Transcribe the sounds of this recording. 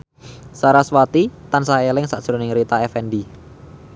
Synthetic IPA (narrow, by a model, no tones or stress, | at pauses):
saɾaswat̪it̪ansaelɪŋsaʔd̥ʒ̥ɾonɪŋɾit̪aɛfɛnɖi